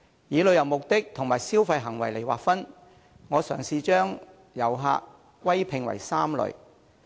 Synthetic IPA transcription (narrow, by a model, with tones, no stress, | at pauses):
jiː˨˧lɵ˨˧ɥjɐ˨˩wmʊ˨k̚t̪ɪ˥k̚t̪ʰʊ˨ŋmaː˨jsiː˥wfɐ˧jɦɐ˨˩ŋwɐ˨˩jle˨jwaː˨kfɐ˥n | ŋɔː˨˧sœː˨˩ŋsiː˧t͡ʃœː˥ŋ | jɐ˨˩wɦa̰ː˧kʷː | wɐ˥jpʰɪ˨ŋwɐ̰˨˩jsaː˥mlɵ̰˨ɥ